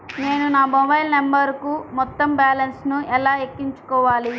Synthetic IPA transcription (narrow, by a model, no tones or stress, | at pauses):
ne̞ːnunaːmɔbɐjlnɐmbɐɾkumɔt̪ːɐmbaːlɐnsnuʔɛlaːekːiɲt͡ʃu̥kɔːʋaːli